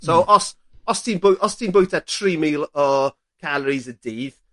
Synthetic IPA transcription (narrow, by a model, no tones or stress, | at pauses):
soʔɔs | ɔstʰiːnbʊjʔɔstʰiːnbʊjtʰatʰriːmiːlˠɔ | kʰaləɾizədiːð